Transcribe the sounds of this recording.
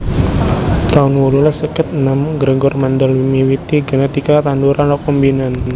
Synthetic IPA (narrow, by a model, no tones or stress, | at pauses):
t̪aʊnwɔlulasəkɪt̪̚ənamɡɾəɡɔrmandalwimiwit̪iɡənat̪ikat̪anduɾʔanɔk̚ɔmbinan